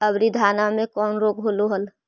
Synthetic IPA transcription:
əbɾid̪ʱaːnamẽkɔːnɾoːkɦoːloɦəl

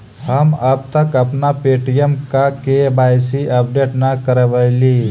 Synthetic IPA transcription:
həməb̚t̪əkəpnapeːʈijəmkakebaːjsiʔəp̚ɖeːʈnakəɾəʋəɪliː

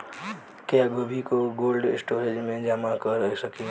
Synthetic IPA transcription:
kjaɡobʱikoɡolɖḛsʈoɾed͡ʒmẽd͡ʒamakəɾəsəki

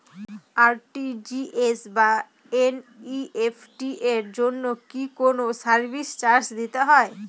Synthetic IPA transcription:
aɾʈid͡ʑiesba | eniefʰʈiʔeɾd͡ʑonːokikonosaɾbʱist͡ɕaɾsd̪it̪eɦɔe

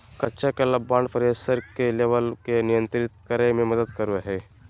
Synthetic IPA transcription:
kɐtːt͡ʃakelabaɳɖpəɾesəɾkeleʋəlkenijənt̪ɾit̪̚kəɾememəd̪əd̪kəɾuaɦe

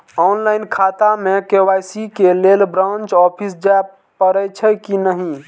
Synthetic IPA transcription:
ɔnlaɪnkʰat̪amekewajsikelelbɾãnt͡ʃɔpʰis̬d͡ʒaj | pəɾət͡ʃʰəkinəɦi

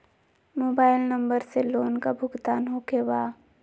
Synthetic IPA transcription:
moːbaːɪlnɐ̃mbəɾseloːnkabʱʊɡt̪aːnɦoːkebaː

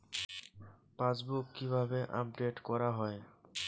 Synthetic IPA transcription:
pãsbukːibʱabeʔa̰p̚ɖeʈkɔɾaɦɔe

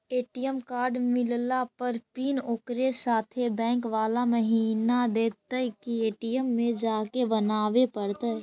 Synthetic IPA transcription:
eːʈijəmkaːɾɖmɪllapəɾpiːnoːkɾesaːt̪ʰebɛ̃ːŋkʋaːlaməɦiːnad̪eːt̪əkieːʈijəmːẽd͡ʒaːkebənaːʋepəɽt̪a

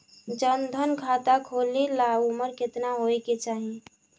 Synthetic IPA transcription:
d͡ʒənd̪ʱənkʰat̪akʰolilabuməɾket̪naɦojket͡ʃaɦi

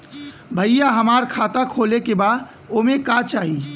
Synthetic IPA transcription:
bʱəɪjaɦəmaːɾkʰaːt̪akʰoːlekebaːd̪ | omẽkat͡ʃaːɦi

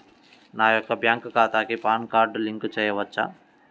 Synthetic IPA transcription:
naːjɔkːɐbʱjaːŋkkaːt̪aːkipaːnkaːɾɖliŋkut͡ʃɛːjɐʋɐt͡ʃːa̰

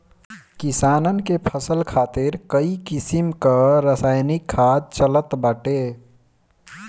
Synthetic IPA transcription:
kisanənkepʰəsəlkʰaːt̪iɾkəikisimkəɾəsajnikʰːad̪̚t͡ʃələt̪bəʈe

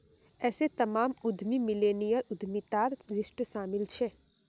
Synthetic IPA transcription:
ɛːset̪ɐmaːmʊd̪ʱmimɪleːnijəɾʊd̪ʱmit̪aːɾɾɪsʃʈʃaːmɪlt͡ʃʰɛː

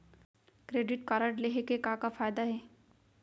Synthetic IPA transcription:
kɾeːɖɪʈkaːɾəʈleɦekekãːkafaːjd̪aɦɛː

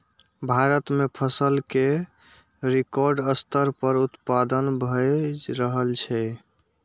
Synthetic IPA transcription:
bʱaɾət̪mepʰəsəlke | ɾekɔɾɖəst̪əɾpəɾut̪pad̪ənbʱəɾəɦəlt͡ʃʰɛ

